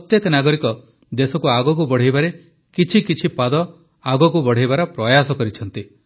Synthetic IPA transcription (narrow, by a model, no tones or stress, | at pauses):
pɔt̪jeknaɡɔɾikɔ | d̪esɔkuaɡɔk̬ubɔɽ̤ejbaɾe | kit͡ʃʰikit͡ʃʰipad̪ɔ | aɡɔkubɔɽ̤ejbaɾɔpɾɔjasɔkɔɾit͡ʃʰɔnt̪i